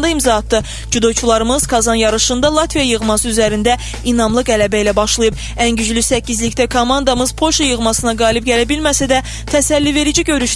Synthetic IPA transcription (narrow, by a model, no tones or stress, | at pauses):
nd̪ɑimzɑɦɑt̪ʰːɯ | d͡ʒud̪o̞jt͡ʃʰulˠɑɾɯmɯz̥kʰɑzɑnjɑɾɯʃɯnd̪ɑlˠɑt̪vijɑjɯʁmɑsɯyzæɾind̪æ | inɑmlˠɯɡælæbæilæbɑʃlˠɯjɯb | ænɟyd͡ʒlysæcːizlict̪ækʰomɑnd̪ɑmɯz̥pʰo̞lʃɑjɯʁmɑsɯnɑɡɑːlˠib̚ɟælæbilmæsæd̪æ | t̪ʰæsælːive̞ɾid͡ʒiɟø̞ɾyʃ